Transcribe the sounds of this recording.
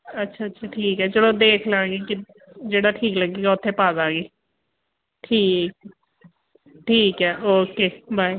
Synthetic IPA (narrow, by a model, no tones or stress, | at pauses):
ətːʃʰaːtːʃʰaːʈʰiːkɦɛːt͡ʃəɽõːd̪eːkʰlaːɡiːkɪ | d͡ʒeːɽaːʈʰiːkləɡiːɡaːʊt̪ʰːẽːpaːzaːɡiː | ʈʰiːk̚ | ʈʰiːkɦɛːʔoːkeːbaːi